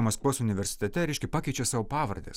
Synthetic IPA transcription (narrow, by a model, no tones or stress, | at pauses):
mɐskʋuɔsʊnʲɪʋʲɛɾʲsʲɪ̥t̪ʲɛt̪ʲɛɾʲɛɪʃʲkʲɛpɑːkʲɛɪt͡ʃʲesɑːʋoːpɑːʋɐɾʲd̪ʲḛs